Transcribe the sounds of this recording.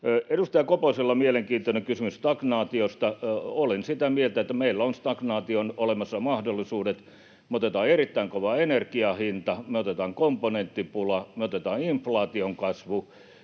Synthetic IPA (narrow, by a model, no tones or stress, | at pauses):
edust̪ɑjɑkoposelːɑmieleŋkiːnt̪oneŋkysymyst̪ɑknɑːt̪iost̪ɑolensit̪æmielt̪æet̪ːæmeilːæonst̪ɑknɑːt̪ionolemɑsːɑmɑhdolːˑisuːdet̪ | meot̪et̪ɑːerit̪ːæiŋkoʋɑenerkiɑhint̪ɑmeot̪et̪ɑːŋkomponent̪ːipulɑmeot̪et̪ɑːniɱflɑːt̪ioŋkɑsʋu